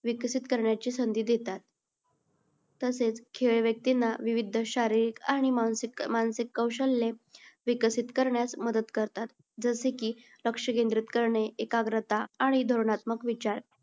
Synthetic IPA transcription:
ʋikəsit̪kəɾɳjat͡ɕiːsənd̪iːd̪et̪at̪̚ | əset͡skʰeɭeʋjək̚t̪inːaʋiʋid̪ʱːəɕaɾiɾikaɽ̃imanikmansikːəwɕəlːeʋikəsit̪kəɾɳjasməd̪əd̪kəɾt̪at̪ | d͡zəsekiː | ləkʂəkẽnd̪ɾit̪kəɾɳeekaɡɾət̪aːɽ̃id̪ʱoɾɳat̪məkʋit͡ɕaɾ

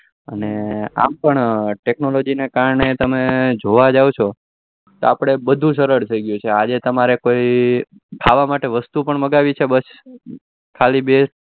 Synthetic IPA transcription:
ə̰nea̰mpəɳʈeknolod͡ʒinekaɾɳet̪əmed͡ʒoʋad͡ʒaʋot͡ʃʰo | t̪o̰apɽ̃ebəd̪ʱũʃ̬əɾəɾt̪ʰəiɡjũt͡ʃʰead͡ʒet̪əmaɾekoi | kʰaʋamaʈeʋəst̪upəɳməɡaʋit͡ʃʰebəs | kʰalibe

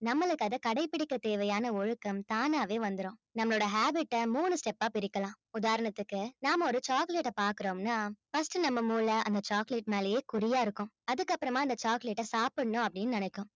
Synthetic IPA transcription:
nɐmːɐɭɯkːɯɐðɐkɐɽɐɪpːɪɽɪkːɐt̪eːʋɐjaːnɐɔɻɯkːɐmt̪aːnaːʋeːʋɐnd̪ɯɾõːnɐmːɐɭoːɽɐɦaːbɪʈːɐmuːnɯsʈɛpːaːpɪɾɪkːɐlãː | ʊðaːɾɐɳɐt̪ːɯkːɯnaːmɐɔɾɯt͡ʃaːkleʈːɐpaːɾkɯɾoːmnaːfɐsʈɯnɐmːɐmuːlɐʔɐnd̪ɐt͡ʃaːkleːʈmeːlɐjeːkʊɾɪjaːɪɾɯkːʊ̃ | ɐðɯkːɐpːɯɾɐmaːɐnd̪ɐt͡ʃaːkleʈːɐsaːpɐɽɐnːʊ̃ɐpːɐɽɪnːɯnɐnɛkːʊ̃

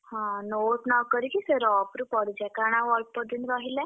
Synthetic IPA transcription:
hãnoʈnakəɾikisəɾɔpɾupəɽd͡ʑɛkaɽ̃ãʋɔlk̚pəd̪inɾaɦilɛ̃

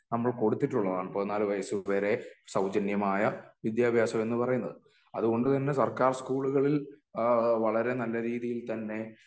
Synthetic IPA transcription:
nɐmːɐɭko̞ɽut̪ːiʈːuɭːɐðaːɳponːaːlʋɐjɐsuʋeːɾe̞sɐwd͡ʑɐnjɐmaːjɐʋid̪jaːbʱjaːsɐme̞nːɨpɐrɐjunːɐ̰ðɨ | ɐðuɣo̞ɳɖɨt̪ɐnːe̞sɐrkaːrskuːɭuɣɐɭil | ʋɐɭɐɾe̞nɐlːɐɾiːðijilt̪ɐnːe̞

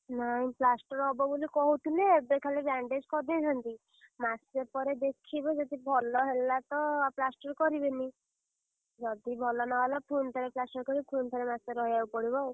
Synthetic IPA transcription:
naĩplasʈɔɾɦɔbɔbolikɔɦuʈ̪ʰuneːbekʰalebaɳɖed͡ʒkɔd̪ed͡ʒʱant̪i | masepɔɾed̪ekʰibɔd͡ʒɔd̪ibʱɔlɔɦelat̪ɔplasʈɔɾkɔɾibeni | d͡ʒɔd̪ibʱɔlɔnɔɦelapʰunt̪ʰɔɾeplasʈɔɾkɔɾipʰunt̪ʰɔɾemaseɾɔɦiawpɔɽibɔw

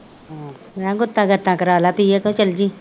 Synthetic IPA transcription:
ãɡʊt̪ːãɡət̪ːãːkɐɾaːlapijekõt͡ʃəld͡ʒiː

